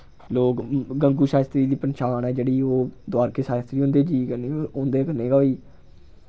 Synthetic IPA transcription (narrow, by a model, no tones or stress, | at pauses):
loːkɡəŋɡuːʃaːst̪ɾiːd̪iːpənʃaːnɛːd͡ʒeːɽiːoːd̪ʊaːɾkeːʃaːst̪ɾiːɦõːnd̪eːd͡ʒiːkəneːõːnd̪eːkəneːɡaːiː